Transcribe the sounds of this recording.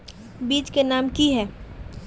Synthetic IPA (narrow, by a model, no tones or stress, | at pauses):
biːt͡ʃkenaːmkiɦɛː